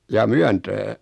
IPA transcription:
jɑː myæntæː

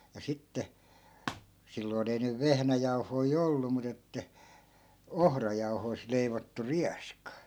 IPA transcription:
jɑ sitːe silːoin ei nyʋ ʋehnæjɑuhoi olːu mut etːæ ohrɑjɑuhoi̯st̆ leiʋotːu riɑskɑ

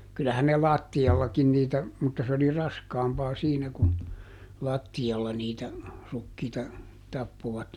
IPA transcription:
kylæhæn ne lɑˑtːiɑlːɑkin niːtæ mutːɑ s oli rɑskɑːmpɑː siːnæ kun lɑˑtːiɑlːɑ niːtæ rukːiːtɑ tɑpːoʋɑt

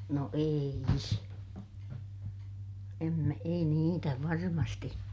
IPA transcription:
no ei s em mæ ei niːtæ ʋɑrmɑsti

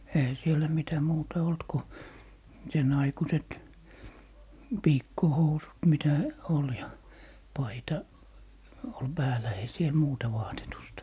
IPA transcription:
eihæ sielæ mitæ muːtɑ olt ko sen ɑikuset piːkːohousut mitæ ol jɑ pɑitɑ ol pæːlæ ei siel muːtɑ ʋɑːtetustɑ

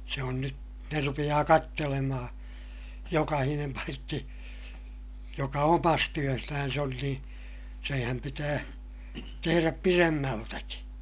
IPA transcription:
se on nyt ne rupij̆ɑː kɑtːelemɑhɑ̃ː jokɑhinem pɑitːi jokɑ omɑs tyøsnæn̞s on niː seːhæm pitæː teheræp piremːæltæki

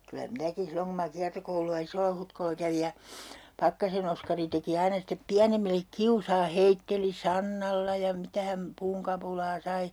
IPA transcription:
kylæ minækin̞ silːoŋ ku mɑ kiɑrtokouluɑ isolːɑhutkolːɑ kæʋij jɑ pɑkːɑsen oskɑri teki ɑinɑ step piænemilːek kiusɑː heitːeli sɑnːɑlːɑ jɑ mitæ hæm puːŋkɑpulɑː sɑi

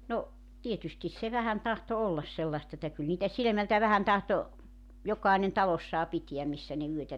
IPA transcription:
no tietystis se ʋæhæn tɑhto olːɑs selːɑst etːæ kyl niːtæ silĕmæltæ ʋæhæn tɑhto jokˑɑenen tɑlosːɑː pitiæm misːæ ne yøtæ

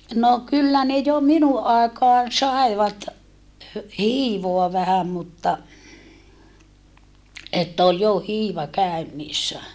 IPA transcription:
no kylːæ ne jo minuʔ ʔɑˑekɑːn sɑˑi̯ʋɑt hø hiːʋoɑ ʋæhæm mutːɑ etːæ ol jo hiːʋɑ kæønːiːsːæ

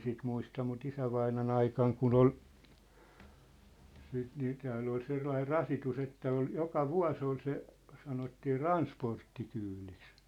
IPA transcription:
sit muistɑ mut isæʋɑinɑn ɑikɑŋ kun ol siːt niː tæːlː ol selːɑir rɑsitus etːæ ol jokɑ ʋuɑ̝s ol se sɑnotːiː rɑnsportːikyːliks

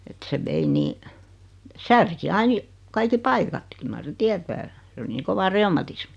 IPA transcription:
et se ʋei niː særki ɑin jɑ kɑiki pɑikɑt kyl mɑr sen̆ tiætæː s oli niː koʋɑ reumɑtismi

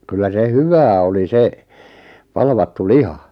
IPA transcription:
kylːæ se hyʋæː oli se pɑlʋɑtːu lihɑ

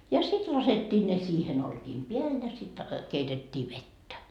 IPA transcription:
jɑ sit lɑsetʲːiː ne siːhem olkiːm peæl jɑ sit keitetʲːiː ʋetːæ

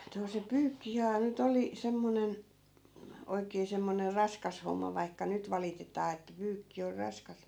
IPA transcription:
no se pyːkːihæː nyt oli semːonen oikeː semːoner rɑskɑs homːɑ ʋɑikːɑ nyt ʋɑlitetɑː etːæ pyːkːi or rɑskɑs

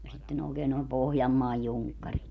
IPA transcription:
jɑ sitːen oːkeːn noˑem pohjɑmːɑːj juŋkːɑrit

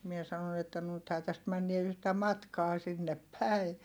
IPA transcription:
mie sɑnon etːæ nythæː tæst mænːie yhtæ mɑtkɑː sinːep pæi

